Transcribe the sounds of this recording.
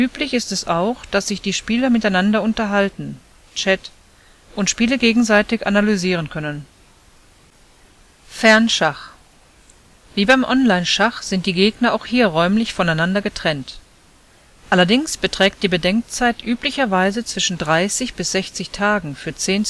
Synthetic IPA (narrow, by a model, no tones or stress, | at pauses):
ʔyːplɪçɪstɛsaʊxd̥asz̥ɪçd̥iːʃpiːlɐmɪtaɪnandɐʊntɐɦaltn̩ | t͡ʃɛt | ʔʊntʃpiːləɡeːɡŋ̩zaɪtɪça̰nalyziːʁ̞ənkʰœnən | fɛɐnʃaχ | viːbaɪmʔɔnlaɪnʃaχz̥ɪnt̚d̥iːɡeːɡnɐaʊxhiːɐʁɔʏmlɪçfɔnaɪnandɐɡətʁ̥ɛnt | ʔalɐdɪŋsb̥ətʁ̥ɛːk̚t̚d̥iːbədɛŋk̚t͡saɪtʔyːplɪçɐvaɪzət͡sv̥ɪʃn̩dʁaɪsɪçb̥ɪsz̥ɛçt͡sɪçtʰaːɡŋ̩fyːɐt͡seːn